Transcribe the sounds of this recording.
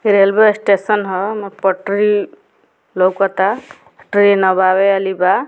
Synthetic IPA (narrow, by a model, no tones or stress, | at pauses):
piɾelbesʈesənɦɔmepəʈɾi | lowkɔt̪a | ʈɾinɔbabealiba